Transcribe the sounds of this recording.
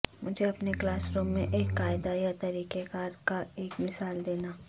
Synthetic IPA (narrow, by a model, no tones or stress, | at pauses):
mʊd͡ʒʱeɐpneklaːsɾũːmːẽʔeːkːaːɪd̪ajat̪ɐɾiːkekaːɾkaeːkmɪsaːld̪eːnaː